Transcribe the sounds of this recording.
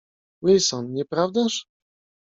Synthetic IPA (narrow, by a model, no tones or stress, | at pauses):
wilsɔnɲɛpɾavd̪aʂ